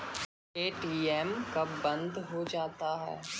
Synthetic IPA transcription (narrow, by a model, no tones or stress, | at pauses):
eːʈiːɛmkabɐ̃nd̪ʱɦod͡ʒaːt̪aɦɛ̰ː